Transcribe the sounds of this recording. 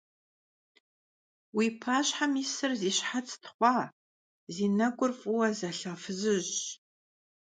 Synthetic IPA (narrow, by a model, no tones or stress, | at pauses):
wipʰaːɕħamisɨrziːɕħat͡sʰtʰχʷɑː | ziːnɐɡʷʼʊrfʼʊwɐzɐɬɐfɨzɨʑ